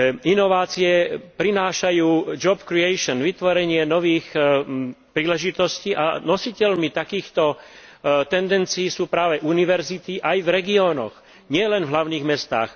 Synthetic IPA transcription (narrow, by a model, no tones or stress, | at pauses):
inɔʋaːt͡siɛpɾinaːʃajuːd͡ʒɔbkɾiɛjʃɔnʋit̪ʋɔɾɛɲɪɛnɔʋiːx | pɾiːlɛʒit̪ɔsciːʔa̰nɔsicɛlmit̪akiːxt̪ɔ | t̪ɛnd̪ɛnt͡siːsuːpɾaːʋɛʔuniʋɛɾzit̪iʔajvɾɛɡiɔːnɔ̰x | ɲɪɛlɛnvlaʊniːɣmɛst̪a̰ːx